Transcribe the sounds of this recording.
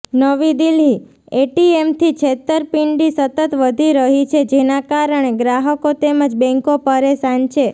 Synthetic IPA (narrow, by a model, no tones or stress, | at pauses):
nəʋid̪ilɦi | eʈiemt̪ʰit͡ʃʰet̪əɾpiɳɖisət̪ət̪ʋəd̪ʱiɾəɦit͡ʃʰed͡ʒenakaɾəɳ̃eɡɾaɦəkot̪eməd͡ʒbɛ̃ŋkopəɾesant͡ʃʰe